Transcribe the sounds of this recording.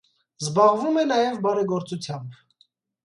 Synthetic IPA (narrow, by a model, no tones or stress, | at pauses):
zbɑʁvumɛnɑjɛvbɑɾɛɡɔɾt͡sut͡sʰjɑmb